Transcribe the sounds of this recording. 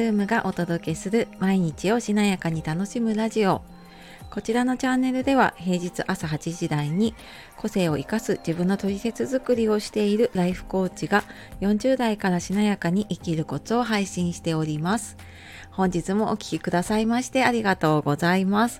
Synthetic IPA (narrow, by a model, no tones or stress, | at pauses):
ɯ̟ːmɯ̟ɡaʔo̞t̪o̞d̪o̞ke̞sɨɾɯ̟maiɲ̟it͡ɕio̞ɕinajakaɲ̟it̪ano̞ɕimɯ̟ɾaʑio̞ | ko̞t͡ɕiɾano̞t͡ɕãnːe̞ɾɯ̟d̪e̞βa̰he̞ːʑit͡sɨʔasaɦat͡ɕiʑid̪aiɲ̟i | ko̞se̞ːo̞ʔikasɨʑibɯ̟̃nːo̞t̪o̞ɾʲise̞t͡sɨzɨkɯ̟ɾʲio̞ɕi̥t̪e̞iɾɯ̟ɾaiɸɯ̟̥ko̞ːt͡ɕiɡa | jõ̞ɲ̟d͡ʑɨːd̪aikaɾaɕinajakaɲ̟iʔikʲiɾɯ̟ko̞t͡sɨo̞ɦaiɕĩɰ̃ɕi̥t̪e̞o̞ɾʲimasɨ̥ | hõ̞ɲ̟d͡ʑit͡sɨmo̞ʔokʲi̥kʲikɯ̟d̪asaimaɕi̥t̪e̞aɾʲiɡat̪o̞ːɡo̞zaimasɨ̥